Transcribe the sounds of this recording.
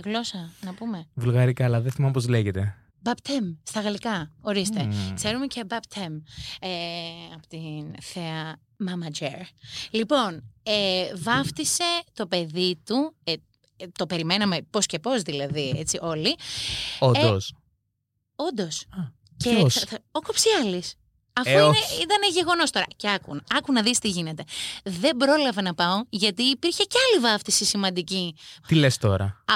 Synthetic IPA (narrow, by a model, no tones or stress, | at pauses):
ɣlo̞sɐnɐpume̞vulɣɐɾikɐːlɐðeθimɐmpozleʝet̪e̞ | bɐpt̪ʰemst̪ɐɣɐlikɐo̞ɾist̪e̞kse̞ɾume̞cebɐpt̪ʰemeɐpot̪inθeɐ | mɐmɐd͡ʒeɾlipo̞nevɐft̪ise̞t̪o̞pe̞ðit̪ue | t̪o̞pe̞ɾime̞nɐme̞po̞sce̞po̞zðilɐðie̞̰t͡siʔo̞li | odos | ond̪o̞s | eokopsiɐlis | ɐfoineit̪ɐneʝe̞ɣo̞no̞st̪o̞ɾɐ̰ceɐkṵnɐkunɐðist̪iʝine̞t̪e̞ðe̞bɾolɐvɐnɐpɐoʝɐt̪iːpiɾçe̞ceɐlivɐft̪isisimɐ̃nd̪icit̪ilest̪o̞̰ɾɐ̰